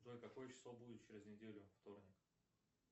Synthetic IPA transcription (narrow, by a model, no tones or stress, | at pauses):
d̪oɪkɐko̞jət͡ɕɪ̥slˠobudʲɪt̪̚t͡ɕɪɾʲɪznʲɪdʲelʲʊft̪o̞rnʲɪk